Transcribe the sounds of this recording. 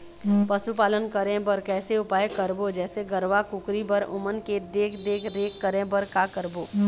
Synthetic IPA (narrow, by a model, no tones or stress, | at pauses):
pɐsupaːlənkəɾẽbəɾkɛːseʊpaːjkəɾbod͡ʒɛːseɡəɾʋakʊkɾibəɾʊ̰mənked̪eːkʰd̪eːkʰɾeːkːəɾẽbəɾkakəɾboː